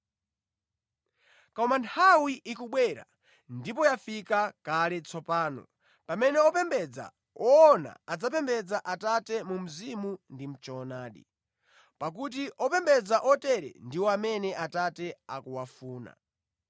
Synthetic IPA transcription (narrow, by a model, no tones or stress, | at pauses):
kɔmantʰawiʔikuɓwɛɾa̰ | ndip̬ɔjafikakalɛt͡sʰɔpaːnɔ̰ | pamɛnɛɔpɛmbɛd͡za̰ | ɔːna̰ad͡zapɛmbɛd͡zaʔatatɛmum̩zimundim̩t͡ʃɔnaːɗḭ | pak̬ut̬iʔɔpɛmbɛd͡zaʔɔtɛɾɛ̰ndiwɔamɛnɛʔatatɛa̰kuwafuːna̰